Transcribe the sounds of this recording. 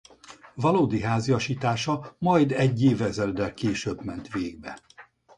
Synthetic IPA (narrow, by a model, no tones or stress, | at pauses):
vɒloːd̪iɦaːziɒʃiːt̪aːʃɒmɒjd̪ɛɟːeːvɛzɛld̪ɛlkeːʃøbmɛnt̪ʋeːɡ̚bɛ